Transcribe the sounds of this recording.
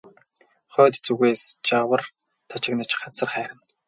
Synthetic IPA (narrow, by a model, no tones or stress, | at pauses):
χœːt̪t͡suɣeːst͡ɕawə̆r | t̪ʰat͡ɕɪ̆knăt͡ɕɢat͡sə̆rχæːɾɪ̆n